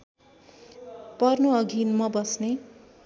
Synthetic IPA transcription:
pʌrnoʌɡʱinmʌbʌsne

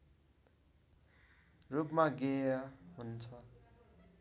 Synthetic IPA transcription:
rupmaɡeʌɦunt͡sʰʌ

